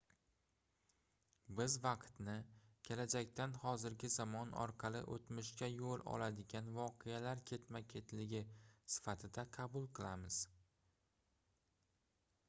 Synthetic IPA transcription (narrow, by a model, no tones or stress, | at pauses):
bɪzvɑqt̪nɪkʲʰe̞lad͡ʒakʲt̪anhɒzɪɾɡʲɪzamɒnɒ̰ɾqʰɑlˠɪ̰ʔo̰t̪mɪʃkʲajolˠɒ̰lˠad̪ɪɡʲanvɒqʰejalaɾkʲʰe̞t̪makʲʰe̞t̪ʰlɪɡʲɪsɪ̥fat̪ʰɪd̪aqʰɑbʊlˠqʰɨlˠamɪz̥